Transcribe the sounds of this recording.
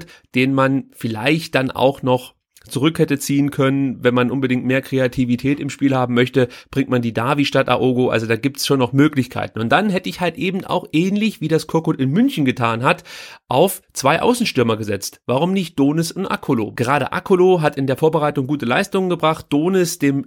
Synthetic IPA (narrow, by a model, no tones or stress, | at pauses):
td̥eːnənmanfɪla̰ɪçt̚d̥anʔa̰ʊxnɔχ | t͡suʁʏkhɛtət͡siːənkʰœnənvɛnmanʔʊnbədɪŋtmeːɐkʁ̥eatʰivitʰɛːtɪmʃpiːlhaːbm̩mœçtəb̥ʁɪŋkt̚mandiːdaːviʃtata̰ʔoːɡoʔa̰lzodaːɡiːp̚tsʃoːnːɔχmøːklɪçkʰa̰ɪtn̩ʊnt̚d̥anɦɛtəɪçhaltʔeːbm̩ta̰ʊxʔɛːnlɪçv̥iːdaskʰʊɐkotɪnmʏnçn̩ɡətʰaːnɦatʔaʊft͡sv̥aɪʔa̰ʊsn̩ʃtʏɐmɐɡəzɛt͡stv̥aʁ̞ʊmnɪçt̚d̥oːnɪsʊntʔa̰kʰolo̰ːɡ̥əʁaːɾə̰ʔa̰kʰoloɦatɪndeːɐfoːɐbəʁaɪtʊŋɡuːtəla̰ɪstʊŋənɡəbʁaχt̚d̥oːnɪsd̥eːm